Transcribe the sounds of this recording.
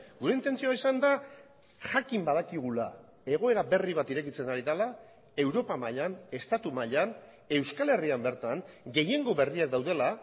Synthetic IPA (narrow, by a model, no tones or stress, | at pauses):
ɡuɾe̞int̪e̞nt͡sioaisand̪a | xakimbað̞akiɣ̞ula | e̞ɣ̞o̞e̞ɾabe̞riβ̞at̪iɾe̞kit͡se̞naɾiðala | e̞wɾo̞pamaʎane̞st̪at̪umaʎan | e̞wskale̞riambe̞ɾt̪aŋɡe̞je̞ŋɡo̞βe̞riak̚d̪awð̞e̞la